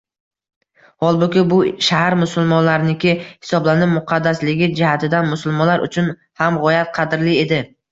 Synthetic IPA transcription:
hɒlˠbʊkʲɪbʊʃahaɾmʊsʊlˠmɒnlaɾɪnɪkʲɪhɪ̥sɒblanɪpmʊqʰɑd̪ːaslɪɡʲɪd͡ʒɪhat̪ʰɪd̪anmʊsʊlˠmɒnlaɾʔʊ̰t͡ʃʰʊn | hamʁɒjat̪̚qʰɑd̪ɪɾlɪe̞d̪ɪ

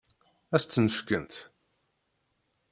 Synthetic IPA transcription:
æst̪ːnəfkənt̪

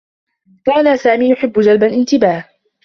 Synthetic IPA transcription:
kaːnasaːmiːjʊħɪbːʊd͡ʒalbalʔɪnt̪ɪbaːh

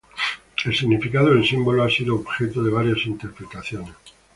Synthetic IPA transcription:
e̞lsiɣnifikað̞oðelsimbo̞loasiðoːβxe̞t̪oðe̞β̞aɾjasint̪e̞ɾpɾet̪aθjo̞nes

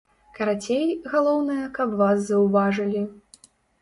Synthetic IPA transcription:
kɐɾat͡sʲejɣalˠɔwnɨjɐkɐbvaszɐwvaʐɨlʲi

